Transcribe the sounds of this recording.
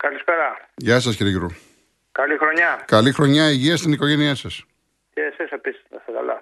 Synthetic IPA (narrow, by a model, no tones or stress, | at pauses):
kɐlispeɾɐʝɐsɐsciɾiʝɾu | kɐlixɾoɲɐkɐlixɾo̞ɲɐiʝiɐst̪iniko̞ʝeniɐsɐs | t̪eɐsisepisi̥snɐsɐkɐ̰lɐ̰